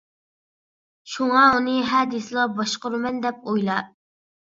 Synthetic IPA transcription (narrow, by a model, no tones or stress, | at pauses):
ʃuŋɑunɨɦɛd̪islˠɑbɑʃqʊɾmɛnd̪ɛp̚ojlˠɑ